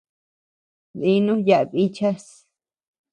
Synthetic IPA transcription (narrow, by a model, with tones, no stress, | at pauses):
ði˦nũ˦ja˧ʔβi˦t͡ʃa˦s